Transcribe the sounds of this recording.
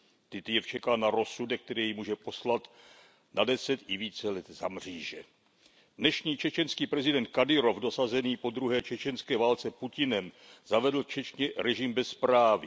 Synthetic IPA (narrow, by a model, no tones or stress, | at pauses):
t̪ɪt̪jɛft͡ʃɛkanaɾo̞sudɛk̚t̪ɛɾiːjimuːʒɛpo̞slat̪ | nadɛsɛt̪ɪviːt͡sɛlɛt̪zamr̝̥iːʒɛ | dnɛʃɲiːt͡ʃɛt͡ʃɛnskiːpɾɛzɪdɛnt̪̚kadɪɾo̞fdo̞sazɛniːpo̞d̪ɾuɦɛːt͡ʃɛt͡ʃɛnskɛːvaːlt͡sɛpucɪnɛm | zavɛdl̩t͡ʃɛt͡ʃɲɛɾɛʒɪmbɛspɾaːvɪ